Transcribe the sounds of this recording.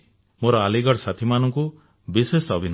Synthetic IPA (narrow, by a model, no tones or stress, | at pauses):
moɾɔaliɡɔɽsat̪ʰimanɔŋku | bisesɔbʱin